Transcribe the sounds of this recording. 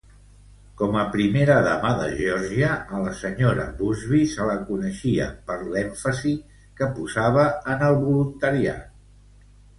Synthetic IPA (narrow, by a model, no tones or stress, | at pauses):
kɔməpɾimeɾəðə̰maðə̰ʒɔɾʒiəːləsəɲoɾə̰βuzβisələkunəʃiə̰pəɾlɛɱfəzi | kəpuzaβ̞əːnəlˠβulunt̪əɾia̰